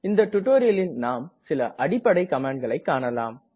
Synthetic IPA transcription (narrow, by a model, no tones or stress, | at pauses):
ɪnd̪ɐʈːʊʈːoːɾɪjɐlɪnnaːmsɪlɐʔɐɽɪpːɐɽɐɪkɐmaːɳɖ̚ɡɐɭɐɪkːaːɳɐlaːm